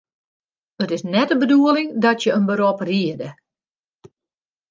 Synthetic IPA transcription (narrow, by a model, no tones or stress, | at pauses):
ətɪsnɛtəbəduəlɪŋdɔtjəənbəɾɔpriədə